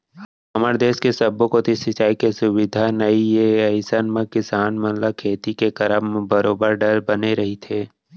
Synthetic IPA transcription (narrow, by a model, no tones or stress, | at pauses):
ɐməɾd̪eːskesəbːõkot̪ʰisɪt͡ʃaːikesʊwɪd̪ʱanəijeəɪsənmẽkɪsaːnmənlakʰeːt̪ikekəɾəmbəɾoːbəɾɖəɾbəneɾɐɦit̪ʰeː